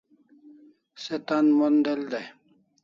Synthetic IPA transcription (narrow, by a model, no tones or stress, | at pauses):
set̪anmond̪eld̪e